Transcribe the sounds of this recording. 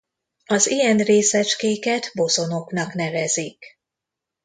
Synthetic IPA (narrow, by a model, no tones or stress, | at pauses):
ɒzijɛnreːsɛt͡ʃkeːkɛt̪bo̞zo̞no̞knɒknɛvɛzik